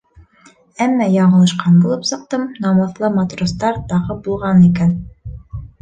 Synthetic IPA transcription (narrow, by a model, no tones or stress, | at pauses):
æmːɑjɑɴɤ̆lˠɤ̆ʃqɑnbulˠɤpsɤ̆q̚t̪ɤmnɑmɤ̆θlˠɤmɑt̪rost̪ɑɾt̪ɑʁɤbulˠʁɑnikæn